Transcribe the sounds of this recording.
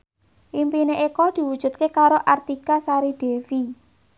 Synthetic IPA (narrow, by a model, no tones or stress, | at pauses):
ʔimpineʔekɔd̪̥i̤wud̥ʒ̥ṳt̪̚kekaɾoʔart̪ikasaɾiɖ̪̥e̤fi